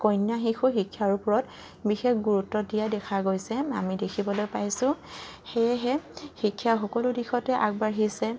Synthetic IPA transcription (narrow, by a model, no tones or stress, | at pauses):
kɔjnjaɦixʊxikʰːjaɹʊpɔɹɔt | bixexɡuɹutːɔdijadɛkʰaɡojsɛa̰midekʰibɔlojpajsʊ̃xejɦɛxikʰːjaxɔkɔlʊdixɔtɛʔak̚baɹɦisɛ